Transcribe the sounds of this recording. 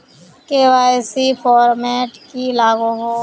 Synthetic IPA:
keːʋaːɪsipʰɔːɾmɛːʈkilaːɡoɦoː

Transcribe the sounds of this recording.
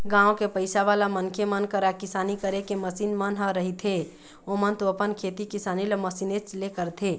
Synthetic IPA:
ɡãːõkepəɪsaʋalamənkʰemənkəɾakɪsaːnikəɾekeməsiːnmənɦəɾəɦit̪ʰɦe | omənt̪oəpənkʰet̪ikisaːnileməsinet͡ʃlekəɾt̪ʰe

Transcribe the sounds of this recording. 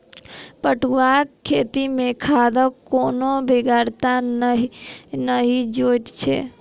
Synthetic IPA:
pəʈʰuwakkʰːeːt̪imẽkʰaːd̪əkoːnobeɡaːɾt̪aɦinəɦid͡ʒoːt̪t͡ʃʰḛː

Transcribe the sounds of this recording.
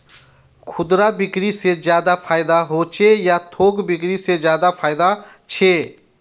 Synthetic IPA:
kʰʊd̪ɾabɪkɾised͡ʒjaːd̪apʰaːɪd̪aɦoːt͡ʃʰejat̪ʰoːɡbɪkɾised͡ʒjaːd̪apʰaːɪd̪a | t͡ʃʰeː

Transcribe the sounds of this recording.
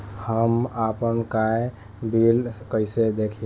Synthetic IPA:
həmapənkae | bilkəɪsed̪ekʰi

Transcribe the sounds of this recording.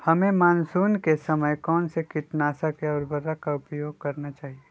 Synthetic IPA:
hɐmẽmaːnsuːnkesɐməjkɔːnsekɪʈnaːsakeɔːɾbɐɾakaʊpjoːɡ̚kɐɾnat͡ʃaːɦie

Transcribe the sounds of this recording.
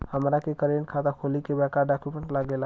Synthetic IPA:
həmɾakekəɾenkʰat̪akʰolikebɛkaɖakjupmeɳʈlaɡel

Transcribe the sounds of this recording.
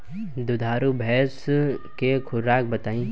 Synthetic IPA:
d̪ʊd̪ʱaːɾubʱɛːskekʰʊɾaːk̚bɐt̪aːĩː

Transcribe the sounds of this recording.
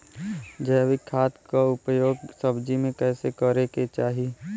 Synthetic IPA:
d͡ʒəʋikʰaːt̪kaʊpjoːɡsəbd͡ʒimẽkɛːsekəɾeket͡ʃaːɦi

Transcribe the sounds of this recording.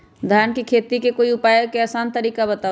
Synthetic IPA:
d̪ʱaːnkikʰeːt̪ikekoːiʊpaːjəkɛːsaːnt̪əɾiːkabət̪aː

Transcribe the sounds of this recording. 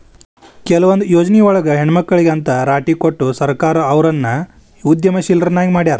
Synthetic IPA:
kɛlɐʋɐnd̪ujoːd͡ʒɐniɔɭɐɡɐɦeɳmɐkːɐɭiɡeɐnt̪ɐɾaːʈikoʈːusɐɾkaːɾɐːʋɾɐnːɐ | ud̪jɐmɐʃilɾɐnaːɡimaːɽijaːɾɐ

